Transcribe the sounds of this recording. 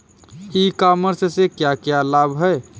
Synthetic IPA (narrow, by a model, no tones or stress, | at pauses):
ikaməɾsesekjakjalabɦəe